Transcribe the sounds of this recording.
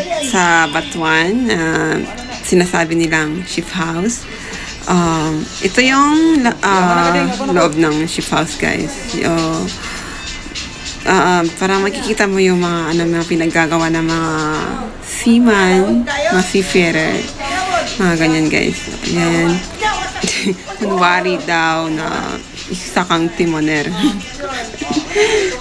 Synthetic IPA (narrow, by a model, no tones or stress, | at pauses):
sɐbɐt̪wanːɐ | sɪnaːsaːbɪnɪlaŋʃɪphaws | ʔamʔɛt̪o̞jʊŋlʔa | loʔob̚nɐŋʃɪphawsɡ̥a̰js | ʔo | ʔaʔpaːɾɐmɐkɪkiːt̪ɐmojʊŋmɐŋaʔɐnomnapɪnɐɡaɡɐwanɐŋmɐŋa | siːmɐnmɐŋasifɛɾɛ | mɐŋaɡɐɲanɡa̰jsjan | mʊnwaːɾid̪awnɐ̰ | ʔɪsɐkɐŋt̪ɪmonɛɾ